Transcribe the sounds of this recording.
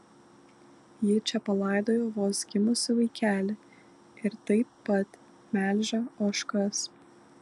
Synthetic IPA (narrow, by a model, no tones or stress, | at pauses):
jɪt͡ʃʲɛpɐlˠɑˑɪd̪oːjoːʋoːsɡʲɪmʊsʲɪʋɐɪkʲæːlʲɪ | ɪɾt̪ɐɪpːɐt̪ | mʲæːlʲʒʲɐoːʃkɐs